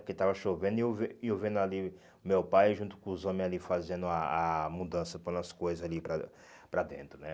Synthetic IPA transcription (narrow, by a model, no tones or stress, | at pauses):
ket̪avɐʃovẽnd̪ʊiewveɪewvẽnʊali | mewpajʒũt̪ʊ̥kõʊzõmẽalifazẽnd̪ʊaamud̪ɐ̃sɐpõnd̪̃ɐskojzɐzalipɾɐ̰ | pɾɐd̪ḛ̃nt̪ɾʊnɛ